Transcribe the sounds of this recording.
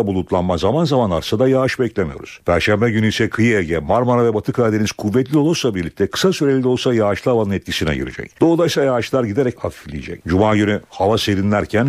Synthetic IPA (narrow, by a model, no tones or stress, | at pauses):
bulˠut̪lˠanmazamanzamanaɾsad̪ajaːaʃbɛclʲemijo̞̰ɾuz̥pʰæɾʃæmbɛɟynyisɛkʰɯjiɛlʲɟɛmaɾmanavɛbat̪ʰɯkʰaːd̪eniz̥kʰuvːɛt̪lʲio̞lˠoslˠabiɾlʲic̚t̪ʰɛkʰɯ̥sasyɾelʲid̪ʲo̞lˠsajaːʃlˠɯavanɯnɛt̪̚cʰisinɛ̰ɟḭɾḭd͡ʒɛ̰cd̪̥o̞ːd̪ˠajsˠajaːt͡ʃlˠaɾɟid̪e̞ɾɛchafiflʲijḭd͡ʒɛ̰c̚d͡ʒumaːɟynyhavaseɾinlʲæɾcʰæn